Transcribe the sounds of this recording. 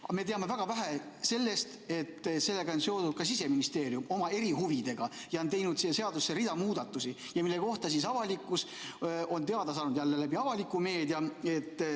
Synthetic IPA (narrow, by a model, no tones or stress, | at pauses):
ɑme̞t̪e̞ɑme̞væɡ̥ɑvæɦæ | se̞lːe̞st̪e̞t̪ːse̞lːe̞ɡɑonse̞od̪ud̪̥̚kɑsise̞minist̪e̞ːɾjumo̞mɑe̞ɾiɦuvid̪̥e̞ɡ̥ɑjɑont̪e̞jnud̪̥siːeseɑd̪usːeɾid̪̥ɑmuːd̪ɑt̪ːˑusi | jɑmilːe̞ko̞ht̪ɑs̬is̬ɑvɑlikˑːus | o̞nt̪e̞ɑd̪ɑs̬ɑːnud̪jælːelæbiɑvɑlikːˑume̞ːd̪jɑe̞t̪ː